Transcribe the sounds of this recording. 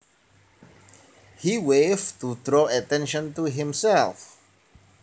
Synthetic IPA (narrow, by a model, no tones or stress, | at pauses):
hiweftutɹoatɛ̃nʃə̃ntuɦɪ̃msɛlf